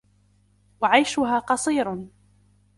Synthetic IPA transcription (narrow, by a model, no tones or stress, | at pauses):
waʕajʃʊɦaːqɑsˤiːɾ